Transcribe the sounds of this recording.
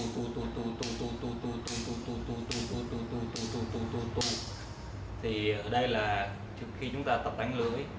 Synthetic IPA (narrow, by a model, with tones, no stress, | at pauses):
t̪u˧t̪u˧t̪u˧t̪u˧t̪u˧t̪u˧t̪u˧t̪u˧t̪u˧t̪u˧t̪u˧t̪u˧t̪u˧t̪u˧t̪u˧t̪u˧t̪u˧t̪u˧˩t̪u˧t̪u˧ | t̪ʰi˨˩ʔəː˧˩ɗə˧jlaː˨˩ | t͡ɕɨ˨˩ək̚xi˧t͡ɕʊ˨˦ŋ͡mt̪aː˧t̪ə˨˩p̚t̪a˨˦jŋ̟lɨ̰˧˥əj